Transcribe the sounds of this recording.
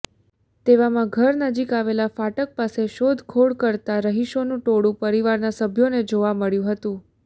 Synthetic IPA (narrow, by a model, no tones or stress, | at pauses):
t̪eʋamãɡʱəɾnəd͡ʒikaʋelafaʈək̚paseʃod̪ʱkʰoɽkəɾt̪aɾəɦiʃonũʈoɽũpəɾiʋaɾnasəbʱjoned͡ʒoʋaməɭjũɦət̪ũ